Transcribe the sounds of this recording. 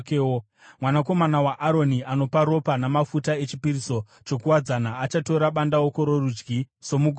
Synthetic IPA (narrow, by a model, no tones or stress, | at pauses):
keo | mwanako̞manawaʔaɾo̞niano̞paɾo̞panamafutae̞t͡ʃipiriso̞ | t͡ʃo̞kuwad͡zanaːt͡ʃato̞ɾaɓandawokoɾo̞rud͡ʒɡi | so̞muɡʱ